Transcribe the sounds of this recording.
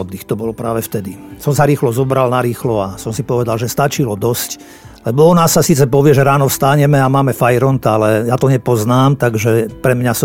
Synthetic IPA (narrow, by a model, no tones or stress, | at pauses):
ɔd̪ixt̪ɔbɔlpɾaːʋɛft̪ɛd̪isɔmsaɾiːxlɔzɔbɾalnaɾiːxlɔasɔmsipɔʋɛd̪alʒɛst̪at͡ʃilɔd̪ɔsc | lɛbɔɔnasːasiːt͡sɛpɔʋɪɛʒɛɾaːnɔfst̪aɲɛmɛamaːmɛfajɾɔnt̪aalɛjaːt̪ɔɲɛpɔznaːmt̪aɡʒɛpɾɛmɲasɔ